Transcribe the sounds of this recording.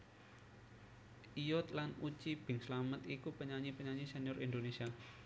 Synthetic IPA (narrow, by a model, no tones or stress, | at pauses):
ijɔt̪lanut͡ʃib̥ɪ̤ŋslamət̪ikupəɲaɲipəɲaɲiseniɔɾind̪onesia